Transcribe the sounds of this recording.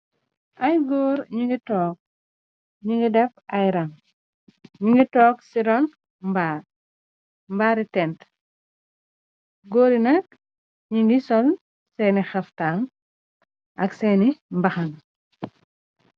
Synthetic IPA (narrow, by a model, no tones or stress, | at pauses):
ʔɐjɡɔːɾɲiŋɡitɔːk̚ | ɲiŋɡidɛpɐjɾɐŋ | ɲuŋɡitɔːksiɾɔn | mbaː | mbaːɾitɛnt | ɡoːɾinɐk̚ | ɲiŋɡisɔl | sɛnixɐftaːŋ | ʔɐksɛːnimbɐxɐŋ